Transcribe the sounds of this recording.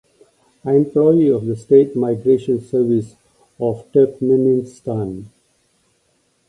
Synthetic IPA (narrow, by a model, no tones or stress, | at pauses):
aẽmplɔiɔʋd̪əsʈeːʈmaɪɡɾeːʃə̃nsəɾʋɪs | ɔʋʈɛpmənɪ̃nsʈãn